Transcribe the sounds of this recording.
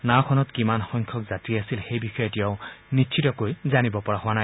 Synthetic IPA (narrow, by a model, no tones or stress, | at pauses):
nakʰɔnɔtkimanxɔŋkʰɔkzatiasilxejbixɔjɔtiaʊnitːt͡ʃʰitɔkojzanibɔpɔɹahʊwanaj